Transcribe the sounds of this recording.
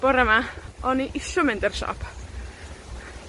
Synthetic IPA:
b̥ɔɾəmaɔniʔɪɬʊmɪndɛrʃɔ̰ːpʰ

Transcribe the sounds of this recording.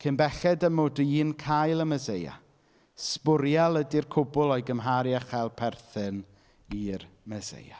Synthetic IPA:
kʰɪnbɛɬɛdəmʊdʊinkʰajlˠəməzeja̰ | spʊɾjalˠədirkʰʊbʊlˠɔjɡəmɦaɾjaχɛlˠpʰɛrθɨn | ir | məzḛja̰

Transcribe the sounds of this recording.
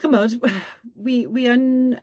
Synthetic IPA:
kʰəmɔdwiwiən

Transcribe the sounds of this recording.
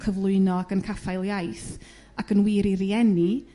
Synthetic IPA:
kʰəvlˠʊɨnɔaɡənkʰafajlˠjajθ | akənwɪɾiɾiɛni

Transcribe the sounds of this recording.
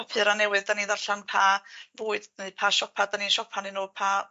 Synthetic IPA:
ɔpʰɨɾanɛwɨðdaniːðarɬanpʰavuːɨd̥neðpʰaʃɔpʰadaniːʃɔpʰanɨnoːpʰa

